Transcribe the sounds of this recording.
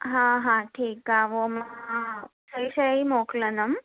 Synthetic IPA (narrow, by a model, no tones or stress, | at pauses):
ɦãɦãʈʰiːkaʋoma | səjɕəimoklənəm